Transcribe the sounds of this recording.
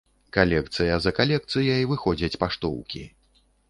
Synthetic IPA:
kalʲɛkt̪sɨjɐzɐkalʲɛk̚t̪sɨjɐjvɨxɔd͡zʲɐt͡sʲpaʂt̪ɔ̰wkʲi

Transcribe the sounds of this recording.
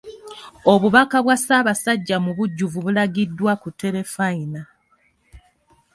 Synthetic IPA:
o̞βuβakaβwasaːβasaɟːamuβuɟːuvuβulaɡidːwakutːe̞ɾe̞faina

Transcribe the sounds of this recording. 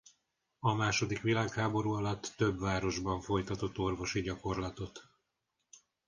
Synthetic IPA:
ɒmaːʃo̞d̪ikʋilaːkhaːbo̞ɾuːɒlɒt̪ːøbvaːɾo̞ʒbɒɱfo̞jt̪ɒt̪o̞t̪ːo̞rvo̞ʃiɟɒko̞rlɒt̪o̞t̪

